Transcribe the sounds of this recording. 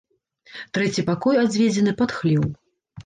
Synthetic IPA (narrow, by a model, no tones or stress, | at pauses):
t̪ɾɛt͡sʲipakɔjad͡zʲvʲed͡zʲɛnɨpat̪xlʲiw